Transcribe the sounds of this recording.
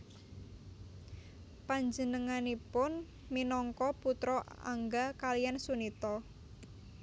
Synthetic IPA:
paɲd͡ʒənəŋanipʊn | minɔŋkɔput̪ɾɔa̰ŋɡakalijansunit̪ɔ

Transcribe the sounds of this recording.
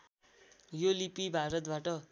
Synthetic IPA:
jolipibʱaɾʌt̪̚baʈʌ

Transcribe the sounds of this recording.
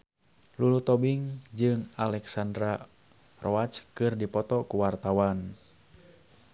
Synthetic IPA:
lulut̪ɔbiŋd͡ʒɨŋalɛksandɾa | rʔɔat͡ʃkɨrdipɔt̪ɔkuwart̪awan

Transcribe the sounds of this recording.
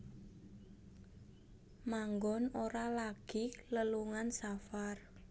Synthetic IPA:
maŋɡɔnoɾalaɡ̥iləluŋansafar

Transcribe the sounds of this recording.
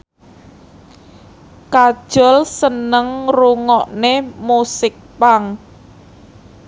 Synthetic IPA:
kad̥ʒ̥ɔlsənəŋruŋɔʔnemusɪk̚paŋ

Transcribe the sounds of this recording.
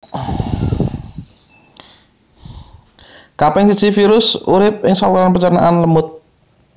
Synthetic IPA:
kapɛŋsi̥t͡ʃifiɾʊsuɾɪp̚ɪŋsaluɾanpət͡ʃərna̰ʔanləmʊt̪̚

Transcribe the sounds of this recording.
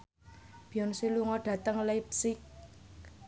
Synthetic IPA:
b̥jɔnsiluŋɔɖ̥ä̤t̪əŋlajpsɪk̚

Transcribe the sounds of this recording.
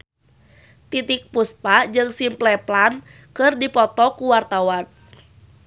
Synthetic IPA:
t̪it̪ik̚puspad͡ʒɨŋsimplɛplan | kɨrdipɔt̪ɔkuwart̪awan

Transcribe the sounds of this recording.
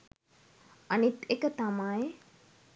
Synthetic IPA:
anit̪ekət̪amaj

